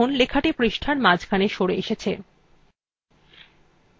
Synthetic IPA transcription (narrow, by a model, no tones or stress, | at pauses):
onlekʰaʈipɾiʃʈʰaɾmad͡ʑkʰaneʃoɾeeʃet͡ɕʰe